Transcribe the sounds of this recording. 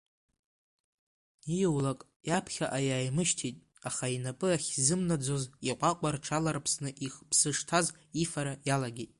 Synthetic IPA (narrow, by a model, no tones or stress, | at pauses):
ijowlakʼ | japʰχʲaʔajaːjmɨʃtʰitʼ | aχainapʼɨaχʲzɨmnad͡zoziqʷʼaqʷʼarʈ͡ʂʰalarpʰsnɨʔiχpʰsɨʂtʰaz | ifaɾajalaɡʲejtʼ